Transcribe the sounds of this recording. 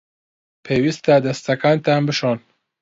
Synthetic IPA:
pʰeːwist̪ad̪ɐst̪ɐkaːnt̪aːnbɨʃoːn

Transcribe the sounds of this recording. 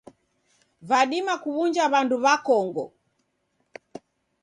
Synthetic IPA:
vaɗimakuβund͡ʒaβanduβakɔŋɡɔ̰

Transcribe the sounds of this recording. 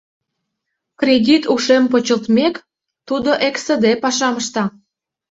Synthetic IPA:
krʲed̪ʲit̪uʃempot͡ɕəlt̪mek | t̪ud̪oʔeksəd̪epɑʃɑməʃt̪ɑ

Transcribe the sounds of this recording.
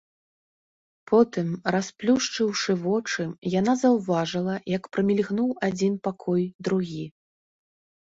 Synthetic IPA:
pʰɔt̪ɨmrasplʲuʂt͡ʂɨwʂɨvɔt͡ʂɨjan̪azɐwvaʐɨlˠɐjɐkpɾɐmʲilʲɣnuwad͡zʲinpakʰɔjd̪ɾuɣʲi

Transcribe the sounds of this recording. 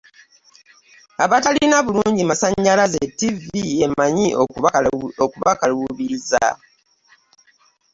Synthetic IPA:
aβatalinaβuluːɲɟimasaɲːalazetːivie̞maɲio | okuβakaluβiɾiza̰

